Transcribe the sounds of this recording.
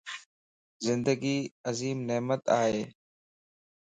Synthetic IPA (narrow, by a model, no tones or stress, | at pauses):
zɪnd̪əɡiːɐziːmneːmət̪aːɦeː